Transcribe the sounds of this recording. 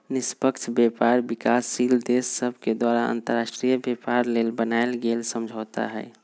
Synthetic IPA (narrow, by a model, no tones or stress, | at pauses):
nɪspəkt͡ʃʰbjɛpaɾbikaːsːiːld̪esːəbʱked̪waɾaa̰nt̪əɾasʈɾijəbjepaɾlelbənaelɡelsəmd͡ʒʱoːt̪a̰ɦɛː